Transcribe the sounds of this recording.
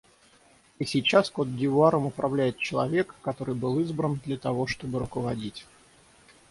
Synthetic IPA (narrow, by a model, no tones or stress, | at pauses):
isʲɪt͡ɕaskod̪̚dʲɪvʊaɾəmʊpɾɐvlʲæjɪt̪̚t͡ɕɪlˠɐvʲe̞kːɐt̪o̞ɾɨjbɨlˠɨzbɾənd̪lʲət̪ɐvo̞ʂt̪o̞bɨɾʊkəvɐdʲitʲ